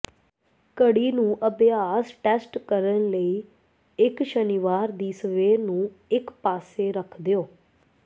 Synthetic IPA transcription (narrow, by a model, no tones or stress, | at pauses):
kəɽiːnũːʔəbɪjaːsʈɛːsʈkəɾənləiː | ɪkʃəniʋaːɾd̪iːsəʋeːnũː | ɪkpaːseːɾəkʰd̪ejoː